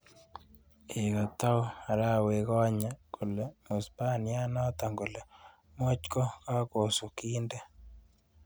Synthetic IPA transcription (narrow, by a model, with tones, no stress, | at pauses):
e˨ka˨t̪a˦a˨ɾa˦˨we˨ɣɔ˦ɲa˨ko˨lɛ˨mo˨spa˦nja˦nɔ˦t̪a˨ŋɡo˨lɛ˨ | mo˦t͡ʃkɔ˦ka˦ko˨so˨ki˦ndɛ˦